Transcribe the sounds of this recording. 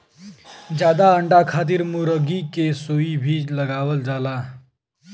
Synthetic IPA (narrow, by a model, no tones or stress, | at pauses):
d͡ʒjad̪aəɳɖakʰat̪̬iɾmuɾəɡikesoibʱid͡ʒləɡaʋəld͡ʒala